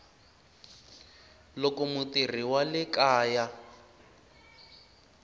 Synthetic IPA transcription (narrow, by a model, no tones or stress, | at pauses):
lokɔmʊtir̤iwalɪkaːja